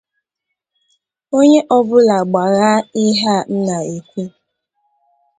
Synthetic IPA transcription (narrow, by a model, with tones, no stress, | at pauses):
o˦ɲe˦ʔɔ˦bʊ˦la˨ɡ͡ba˨ɣa˦i˦ɦa˦n̩˦na˨e˨kʷu˦